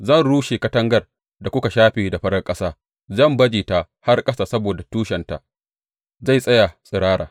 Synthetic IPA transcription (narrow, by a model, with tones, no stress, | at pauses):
zɐ˦˨nɽuː˦ʃeː˨kɐ˦tɐ˦ŋɡɐ˦r | da˨kʷʊ˦ka˨ʃaː˦ɸiː˨da˨ɸɐ˦ɽɐ˦kʼɐ˦saː˦ | zɐ˦˨mbɐ˦d͡ʒiː˨ta˨ | ha˦rkʼɐ˦saː˨sɐ˦boː˨da˨tuː˦ʃɛ˨nta̰˨ | za˦˨jsʼɐ˦ja˨sʼɪ˨ɽaː˦ɽa̰ː˨